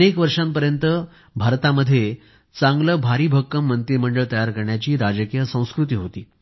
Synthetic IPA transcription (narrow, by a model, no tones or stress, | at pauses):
nekʋəɾʂampəɾjənt̪ə | bʱaɾt̪aməd̪ʱːje | t͡sãŋɡləbʱaɾiːbʱəkːəmːənt̪iməɳɖəɭt̪əjaɾkəɾɳjat͡ɕiːɾad͡zəkijəsə̃w̃skɾut̪iːɦot̪iː